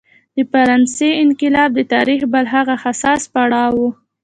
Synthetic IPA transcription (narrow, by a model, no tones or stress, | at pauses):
d̪̥əfaɾɑnseɪnkɪlɑb̚d̪ət̪ɑɾixbəlɦaɣaxasɑspaɽɑwu